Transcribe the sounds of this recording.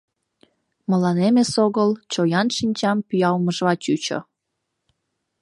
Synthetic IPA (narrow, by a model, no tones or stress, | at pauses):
məlɑnemesoɣəlt͡ɕojɑnʃinʲt͡ɕɑmpyjɑwməʒβɑt͡ɕyt͡ɕo̰